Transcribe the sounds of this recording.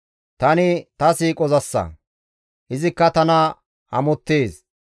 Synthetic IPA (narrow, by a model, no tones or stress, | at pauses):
t̪ɐnɪt̪ɐsiːkʼɔzɐsːɐ̰ | ʔɪzɪkːɐt̪ɐnɐ | hɐ̰mɔt̪ːeːs